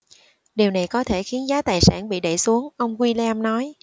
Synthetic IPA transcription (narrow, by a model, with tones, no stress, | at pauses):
ɗi˨˩wna˨˩jkɔ˨˦t̪ʰe˧˩xi˨˦ənzaː˨˦t̪aː˨˩jsa̰ː˧˩nɓḭ˧˨ɗḛ˧˩su˨˦əŋʔə˧wŋ͡mkwi˧lɛ˧mnɔ˨˦j